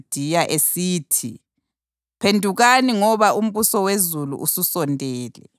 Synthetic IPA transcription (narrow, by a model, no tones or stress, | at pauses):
d̥ʱijaʔesiːtʰḭ | pʰendʱuɣaniŋɔβaum̩βusɔwezulṵʔususɔntʼɛːlɛ̰